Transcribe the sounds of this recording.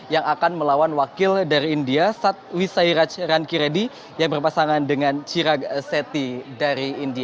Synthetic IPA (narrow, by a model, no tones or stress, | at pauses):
jaŋakanməlawanwakɪldaɾiːndiasat̪̚wisaiɾat͡ʃrankiɾedi | jaŋbərpasaŋandəŋant͡ʃiɾaɡ̚set̪idaɾiːndia